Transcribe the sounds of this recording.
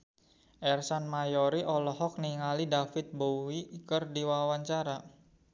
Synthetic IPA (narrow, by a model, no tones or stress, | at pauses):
ʔɛrsanmajɔɾiʔɔlɔɦɔk̚niŋalidafɪt̪̚bowikərdiwawaɲt͡ʃaɾa